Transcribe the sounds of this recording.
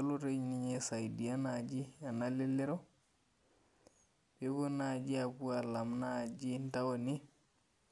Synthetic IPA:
a˦lu˦ɾe˦ɲniɲesa˨jidi˨a˦nad͡ʒi˦a˨nali˦lːe˦ɾo˦ | bebo˦nad͡ʒi˦aku˦a˨la˨mna˨d͡ʒi˦ntawoni˦

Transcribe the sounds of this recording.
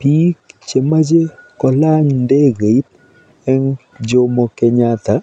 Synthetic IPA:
pi˦kt͡ʃe˨ma˦d͡ʒe˦kɔ˨la˦ɲnde˦ɡe˨i˦t̚ | ɛ˦ŋ | d͡ʒo˦mɔ˨kɛ˨ɲa˦t̪a˨

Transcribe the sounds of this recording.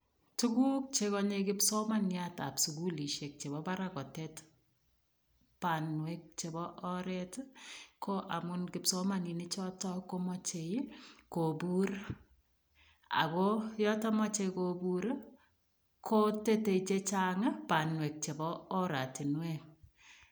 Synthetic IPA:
tu˦ku˦k̚t͡ʃe˦kɔ˦ɲe˧kɪ˦psɔ˦ma˦nja˦ta̰˨psu˨ɡu˦li˨ʃe˨k̚t͡ʃe˨βɔ˦ba˦ɾa˨kɔ˨tɛt | pa˨nwɛ˦k̚t͡ʃe˨bɔ˦ʔɔ˦ɾɛ˦tkʰo˦ʔa˨mʊ˦nkɪ˨psɔ˦ma˦ni˨nɪ˦t͡ʃɔ˦tɔ˦ko˦mɔ˦t͡ʃe˨jko˨bu˦ɾ | a̰˨kɔ˦jɔ˦tɔ˦mɔ˦t͡ʃe˧ko˨bu˦ɾ | kʰo˦te˦te˨t͡ʃe˦t͡ʃa˦ŋa˦pa˨nwɛ˨k̚t͡ʃe˨bɔ˦ɔ˦ɾa˨ti˨nwe˦ŋ

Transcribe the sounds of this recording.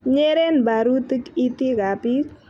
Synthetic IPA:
ɲe˦ɾe˦nba˨ɾu˦t̪i˦ki˦t̪i˦ka˨pi˦k

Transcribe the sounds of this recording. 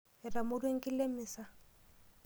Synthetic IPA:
ɪ˨ra˨mʊ˦dwe˦ŋ̩˦kʼɪ˦le˦mɪː˨sa˦

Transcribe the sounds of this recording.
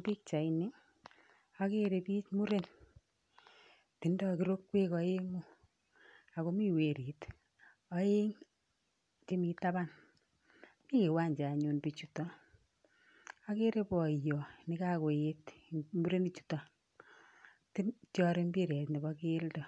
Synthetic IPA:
pi˦k̚t͡ʃa˨ini˦ | a˦ke˦ɾe˨piː˦t͡ʃmu˦ɾe˦n | ti˨ndɔ˦ki˦ɾo˦kːwe˦kɔ˧e˦ŋo˦ | a˨ko˦mi˦we˨ɾi˨t | ɔ˦je˦ŋ | t͡ʃe˦mi˧ta˦ba˦n | mi˦ke˨wa˦nd͡ʒa˨ɲu˨npi˨t͡ʃu˦tɔ˦ | a˦ke˦ɾe˦pɔ˨jɔ˨nɪ˦ka˦ko˨etmu˦ɾe˦ni˦t͡ʃu̥tɔ˨ | ti˦nt͡ʃɔ˦ɾe˦mbi˦ɾɛ˨tni˨bɔke˦ldɔ˨

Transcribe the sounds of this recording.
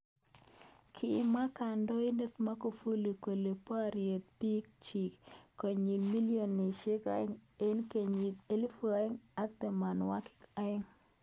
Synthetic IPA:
kʰɪ˦ma˦ka˨ndɔ˦ɪ˦ne˦tma˦ko˨fu˦li˨ko˨le˨pa˦ɾje˨t̪̚pi˦k̚t͡ʃi˨kkːo˨ɲi˨lmi˦li˦o˨nːɪ˨ʃe˦ka̰˦ɪ˦ŋe˦nke˨ɲi˨te˦li˦fu˦a˨˦ɪ˦ŋa˦k̚t̪e˨ma˨nwa˦kɪ̥˦ka˦ɪ˦ŋ

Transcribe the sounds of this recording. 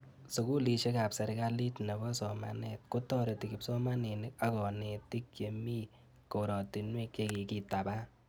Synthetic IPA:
su˨ku˦li˨ʃe˦ka˨psɛ˨ɾɡa˦li˦tnɛ˨bɔ˦sɔma̰net̚kʊ˦tɔ˦ɾe˨ti˨kɪ˨psɔ˦ma˦ne˨nɪ˦ka˨kɔ˨ne˨ti˦k̚je˨mi˦ | ko˨ɾɔ˨ti˨nwe˦k̚e˧ki˨ki˨ta˨ba˦

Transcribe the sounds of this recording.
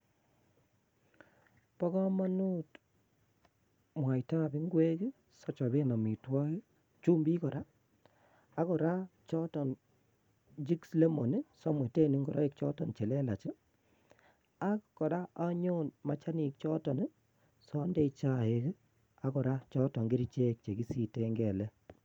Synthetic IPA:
pɔ˦kɔ˦ma˦nu˦t | mwa˨jta˦˨bi˦ŋɡwe˦ki˦ | sɔ˦t͡ʃɔ˨be˦na˨mi˨twa˦ki˦ | t͡ʃu˦mbi˦kɔ˨ɾa˦ | a˦kɔ˨ɾa˦t͡ʃɔ˦tɔ˨n | d͡ʒi˦ksle˦mo˨ni˦sɔ˦mwe˨te˦˨ni˨˦ŋɡɔ˨ɾa˦e˦kt͡ʃɔ˦tɔ˨nt͡ʃɛ˨lɛ˦la˨t͡ʃi˦ | a˦kkɔ˨ɾa˦a˦ɲo˦nma˨t͡ʃa˦ni˨k̚t͡ʃɔ˦tɔ˨ni˦ | sɔ˦nde˦it͡ʃa˦e˨k | a˦kɔ˨ɾa˦t͡ʃɔ˦tɔ˨ŋɡi˦ɾi˦t͡ʃe˦k̚t͡ʃe˨ɡi˦si˦te˦ŋɡɛ˨lɛ˦

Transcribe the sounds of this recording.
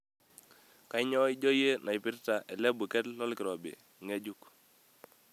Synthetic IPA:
ka˨˦ɲɔ˦i˦d͡ʒɔ˦je˦nʔa˨jpɪ˦ɾta˨ʔɛ˨lɛ˦bu˨kɛ˦tlɔ˦lkɪ˨ɾɔ˨bɪ̰˨ŋe˦d͡ʒu˦k

